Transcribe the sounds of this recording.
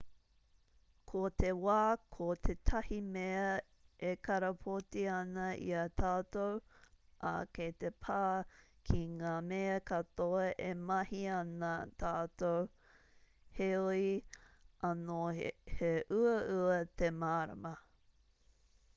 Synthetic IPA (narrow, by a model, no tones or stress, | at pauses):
kʰot̪ewaːkʰotʰet̪ʰɐhimeɐ | ʔekɐɾɐpʰotiɐnɐʔḭɐtʰaːtowʔa̰kejt̪epʰaːkʰiŋaːmeɐkɐtoɐʔemɐhiɐnat̪ʰaːtow | heoi | ʔɐnoheʔʉɐʉɐt̪emaːɾɐ̰mɐ